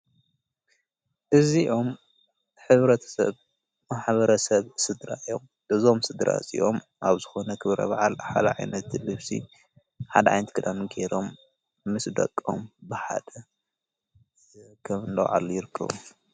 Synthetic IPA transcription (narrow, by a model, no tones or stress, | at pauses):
ʔɨziʔo̞m | ħɨβɾɐt̪ʰɐ̥sɐ̰β | maħbɐɾɐsɐβsɨd̪ɾaɨjom | ʔɨzo̞msɨd̪ɾʔa̰sʼḭʔo̞̰maβzɨxo̞nɐkʰɨβɾɐ̰βaʕalħa̰d̪ɐʕajnɐt̪lɨβsḭ | ħad̪ɐʕa̰jnɐt̪kʰɨd̪amiɡeɾo̞mː | ɨsd̪ɐ̰kʼo̞mbɨħa̰d̪̥ɐ | kʰɐmɨnlɐ̰wʕa̰ljɪɾɨkʰːɐ̰βṵ